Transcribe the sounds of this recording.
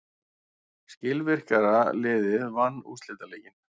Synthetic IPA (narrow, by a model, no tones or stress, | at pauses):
scɪlvɪr̥kaɾalɪːðɪðvanːṵst̪lɪːt̪alɛːcɪn